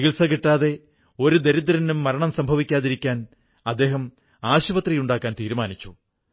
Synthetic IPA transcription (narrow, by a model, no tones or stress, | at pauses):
iɣilsɐkiʈːaːðe̞ | o̞ɾud̪e̞ɾid̪̬ɾɐnumːɐɾɐɳɐmsɐmbʱɐʋikʲːaːðiɾikʲːaːn | ɐd̪ːe̞ːɦɐm | aːɕuʋɐt̪rijuɳɖaːkːaːnt̪iːɾumaːnit͡ɕːu